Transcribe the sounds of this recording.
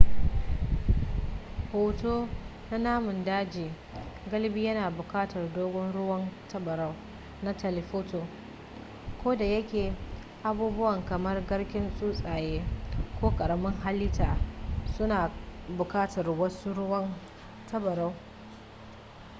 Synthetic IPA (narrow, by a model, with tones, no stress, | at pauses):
hoː˨toː˦ | na˦naː˦mʊ˨ndaː˦d͡ʒiː˨ | ɡɐ˦lbi˦jɐ˦naː˨bʊ˨kaː˦tɐ˨rdoː˦ɡʷɔ˦nɽʊ˦wɐ˦ntʰɐ˦bɐ˨ɾɐ˦w | na˦tʰɐ˨lɪ˨ɸoː˦to˨ | kʷoː˦da˨jɐ˦kʲeː˨ | ʔa˨buː˦bʊ˦wɐ˨ŋkɐ˨mɐ˦rɡɐ˦ɽkʲɪ˦nsʼuː˦sʼaː˨jeː˦kʷoː˦kʼɐ˨ɽɐ˨mɪ˦ŋɦa˦lːɪ˦taː˨sʊ˦naː˨bʊ˨kaː˦tɐ˨rwɐ˦su˦ɽʊ˦wɐ˦n | tʰɐ˦bɐ˨ɾa˦w